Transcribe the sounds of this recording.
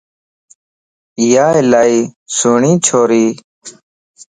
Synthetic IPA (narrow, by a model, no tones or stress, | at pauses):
jaːelaːiːsuːɳĩːt͡ɕʰoːɾiː